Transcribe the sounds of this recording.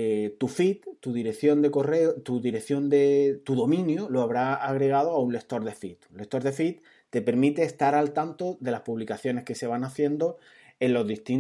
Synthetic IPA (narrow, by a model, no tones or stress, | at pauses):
et̪ufit̪t̪uðiɾe̞kθjo̞nd̪e̞ko̞re̞ot̪uðiɾeθjo̞nd̪e̞t̪uðo̞mĩnjuloaβɾaaɣɾe̞ɣ̞að̞oaunle̞k̚t̪o̞ɾðe̞fit̪ule̞k̚t̪o̞ɾðe̞fit̪̚ː | e̞pe̞ɾmit̪e̞ːst̪aɾalt̪ant̪oðe̞laspuβlikaθjo̞ne̞hke̞se̞β̞anaθje̞nd̪o | e̞nlo̞zðist̪in